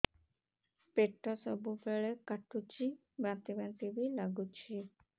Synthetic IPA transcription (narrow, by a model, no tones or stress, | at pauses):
peʈʰːɔsɔbubeɭɛkaʈʰut͡ʃʰi | bɾãt̪ibɛnt̪ibilaɡut͡ʃʰi